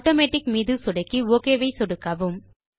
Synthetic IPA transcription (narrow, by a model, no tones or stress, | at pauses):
ʈoːmeːʈːɪkmiːðɯsʊɽɐɪkːioːkeːʋɐɪsɔɽɯkːɐʋɯm